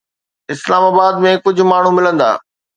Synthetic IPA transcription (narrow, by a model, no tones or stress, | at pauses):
ɪslaːmaːbaːd̪mẽkʊd͡ʑʱʊ̆maːɳ̤ũmɪlə̃nd̪a̰ː